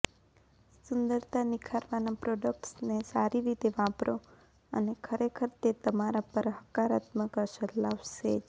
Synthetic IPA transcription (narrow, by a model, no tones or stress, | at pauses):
sʊnd̪əɾt̪ʰanɪkʰaɾʋanapɾoɖək̚ʈsnesaɾiɾit̪eʋãpɾo | ə̰nekʰəɾekʰəɾt̪et̪əmaɾapəɾɦəkaɾat̪məkəɾʃəlaʋʃed͡ʒ